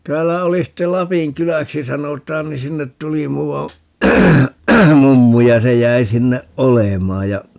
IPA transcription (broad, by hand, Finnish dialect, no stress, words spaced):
tæːlːæ oli sitːel lɑpiŋ kylæksi sɑnotˑɑːn ni sinːet tuli muːwɑ mumːu jɑ se jæi sinːeʔ ʔolemɑː jɑ